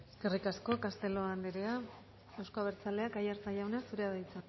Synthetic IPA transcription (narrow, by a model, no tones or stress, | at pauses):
eske̞rikasko̞kast̪e̞lo̞and̪eɾea | ewskoaβeɾt͡sale̞akajaɾt͡saʎawnasuɾeaðajt͡san